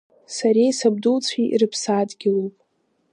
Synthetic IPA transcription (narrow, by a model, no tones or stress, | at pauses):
saɾejsab̚dult͡sʷʰiʔḭrɨpʰsaːdɡʲɪlowpʼ